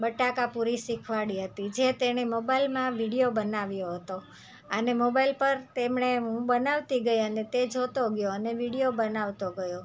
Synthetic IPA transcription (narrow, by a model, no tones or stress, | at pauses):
bəʈakapuɾisikʰʋaɽiɦət̪id͡ʒet̪eɽ̃emobailmãʋiɽijobənaʋjoɦət̪o | ənemobailpəɾt̪emɳeɦũbənaʋt̪iɡəjənet̪ed͡ʒʱot̪oɡjoəneʋiɽijobənaʋt̪oɡəjo